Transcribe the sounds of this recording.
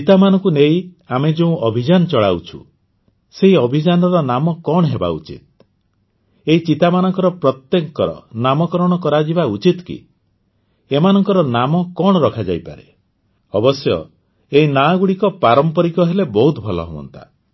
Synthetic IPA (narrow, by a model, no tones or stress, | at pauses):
t͡ʃit̪amanɔ̃ŋkunei | amed͡ʒeũʔɔbʱid͡ʒanɔt͡ʃɔɭawt͡ʃʰṵ | seɦiɔbʱid͡ʒanɔɾɔnamɔkɔɽ̃ɦeba̰ṵt͡ʃḭt̪̚ | eɦit͡ʃit̪amanɔŋkɔɾɔpɾɔt̪jekɔɾɔ̰namɔkɔɾɔɽ̃ɔkɔɾad͡ʒibaut͡ʃit̪kḭ | emanɔŋkɔɾɔnamɔkɔɽ̃ɔɾɔkʰad͡ʒa̰jpa̰ɾe | ɔbɔsjɔ̰ | einaɡuɽikɔpaɾɔmpɔɾikɔɦelebɔɦut̪bʱɔlɔ̰ɦewɔ̰nt̪a̰